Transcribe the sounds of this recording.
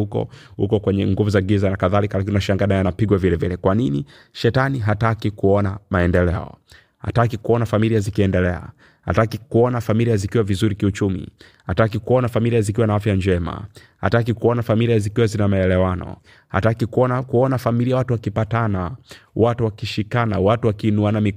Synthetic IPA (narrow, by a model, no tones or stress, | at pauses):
ukɔ̰ | hṵkɔkwɛɲɛŋɡuvuzaɡizanakaðalikalak̬inunaʃaŋɡanajanapiɡwavilɛvilɛkwanini | ʃɛtaniɦatakikuɔnamaɛndɛlɛɔ̰ | ha̰takikuɔnafamiliazikiɛndɛlɛa̰ | ha̰takikuɔnafamiliazikiwavizuɾikiut͡ʃumḭ | hatakikɔnafamiliazikiwanaafjaɲd͡ʒɛma̰ | ha̰takikuɔnafamiliazikiwazinamaɛlɛwanɔ̰ | ha̰takikuɔnakuɔnafamiliawatuwakipatanawatuwakiʃikanawatuwakiːnuanami